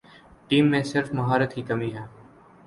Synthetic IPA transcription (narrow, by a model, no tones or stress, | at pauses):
ʈiːmːẽːsɪɾfməɦaːɾət̪ɦiːkəmiːɦɛː